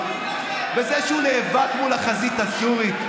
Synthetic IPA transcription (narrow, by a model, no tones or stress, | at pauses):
vezɛʃeuneːvatmulaχazit̪asuʁi